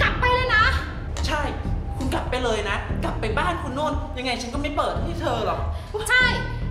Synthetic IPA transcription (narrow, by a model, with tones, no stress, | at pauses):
ka˨˩p̚ːa˧jlaː˧na˦˥ | t͡ɕʰa˥˩jkʰu˧nka˨˩p̚ːa˧jlɤː˧jna˦˥ka˨˩pːa˧jbaː˥˩nkʰu˧nːu˧˥˩ə˨nja˧ŋːa˧jt͡ɕʰa˦˥nkɔː˥˩ma˥˩jpɤː˨˩t̪̚ha˥˩jt̪ʰɤː˧lɔ˨˩k̚ | t͡ɕʰa˥˩j